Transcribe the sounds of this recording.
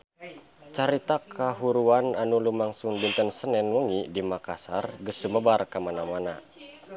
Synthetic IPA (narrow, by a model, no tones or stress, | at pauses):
t͡ʃaɾit̪akʰaɦuɾuananulumaŋsuŋbint̪ənsənɛnwəŋidimakasarɡəsuməbarkamanamana̰